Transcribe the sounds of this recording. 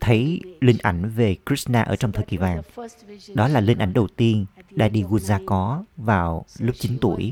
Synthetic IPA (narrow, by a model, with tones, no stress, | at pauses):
t̪ʰə˨˦jlï˧ŋ̟ʔa˧˩jŋ̟ve˨˩kɾi˦˥snaː˧ʔəː˧˩t͡ɕɔ˧wŋ͡mt̪ʰəː˨˩kḭ˧˩vaː˨˩ŋɗɔ˨˦laː˨˩lï˧ŋ̟ʔa˧˩jŋ̟ɗə˨˩wt̪i˧ənɗa̰ː˧˥ɗi˧ɣu˧˩nzaː˧kɔ˨˦vaː˨˩wlu˦˥p̚t͡ɕi˨˦nt̪ṵ˧˩əj